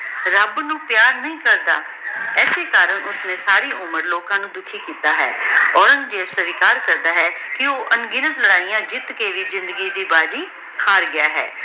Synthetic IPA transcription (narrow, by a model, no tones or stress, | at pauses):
ɾəbnũːpjaːɾnəĩːkəɾd̪a̰ː | ɛːseːkaːɾəɳʔʊsnẽːsaːɾiːʔʊməɾloːkãːnũːd̪ʊkʰiːkiːt̪aːɦɛ̰ːɔːɾəŋɡd͡ʒeːbsəʋikaːɾkəɾd̪aːɦɛːkɪoːʔənɡɪnət̪ləɽaːijãːd͡ʒɪt̪keːʋiːzɪ̃nd̪əɡiːd̪iːbaːd͡ʒĩː | kʰaːɾɡɪjaːɦɛ̰ː